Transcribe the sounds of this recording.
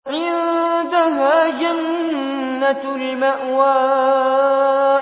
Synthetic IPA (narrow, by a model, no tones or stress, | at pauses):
ʕɪðd̪aɦaːd͡ʒanː | at̪ | lmaʔwaː